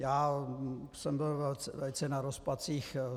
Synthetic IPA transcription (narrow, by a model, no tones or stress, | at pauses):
jaː | sɛmbɪlvɛlt͡sɛvɛlɪt͡sɛnaɾospat͡siːx